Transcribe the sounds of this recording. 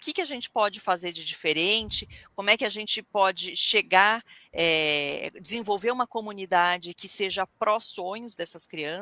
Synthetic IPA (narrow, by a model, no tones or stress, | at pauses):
ʊkɪkɪaʒẽnt͡ʃɪ̥pɔd͡ʒɪfazeɾd͡ʒɪd͡ʒifeɾẽnt͡ʃɪkõmʊɛkɪaʒẽnt͡ʃɪpɔd͡ʒɪʃeɡaɾɛd͡ʒɪzẽvowveɾũmɐkomunid̪ad͡ʒɪkɪseʒɐpɾɔsõɲʊzd̪ɛsɐskɾiɐ̃s